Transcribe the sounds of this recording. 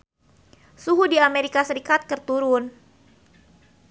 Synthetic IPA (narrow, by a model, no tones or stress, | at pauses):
suɦudiameɾikasəɾikat̪̚kɨrt̪uɾʊn